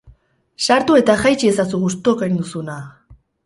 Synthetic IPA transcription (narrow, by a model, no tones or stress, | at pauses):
saɾt̪ue̞t̪axajt͡ʃies̬asuɣust̪okaind̪usuna